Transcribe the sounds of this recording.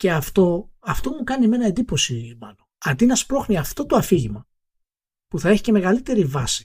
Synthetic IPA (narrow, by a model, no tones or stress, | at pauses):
ce̞ɐft̪oɐft̪omukɐnime̞nɐend̪ipo̞simɐlo̞ɐd̪inɐspɾo̞xniɐft̪o̞t̪oɐfiʝimɐ | puθɐe̞çi̥ce̞me̞ɣɐlit̪e̞ɾivɐsi̥